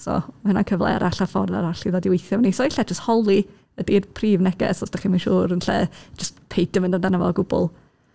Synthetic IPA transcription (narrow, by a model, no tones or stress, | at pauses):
sɔ̰maɨnankʰəvlˠɛ̰a̰ɾʔaɬafɔ̰rða̰ɾaɬiðɔdɪwejθjɔmnisɔiɬɛd͡ʒəsthɔlˠi | ədirpʰriːvnɛɡɛ̰sɔsd̥aχiminʃuːɾənɬɛ̰d͡ʒəstpʰejd̥əməndəndanəvɔɡʊbʊ̰lˠ